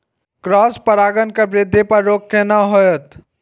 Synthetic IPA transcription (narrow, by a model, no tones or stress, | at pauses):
kɾɔːspəɾaːɡənkabɾɪd̪ʱːepəɾɾoːkkenaɦojət̪